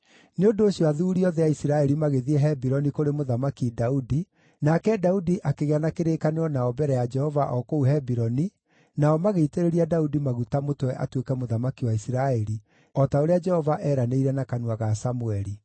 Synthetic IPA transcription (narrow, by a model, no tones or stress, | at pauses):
neondoːɕjɔaðuːɾiɔðɛaisiɾaɛɾimaɣeðiɛɦɛbiɾɔnikoɾemoðamakidaudi | nakɛdaudiʔakeɣeanakeɾeːkaneɾɔnaɔbɛɾɛjad͡ʒɛhɔvaʔɔkouɦɛbiɾɔni | naɔmaɣeiteɾeɾiadaudimaɣutamotowɛʔatwekɛmoðamakiwaisiɾaɛɾi | ɔtaoɾead͡ʒɛhɔvaʔɛːɾaneiɾɛnakanwaɣasamuɛɾi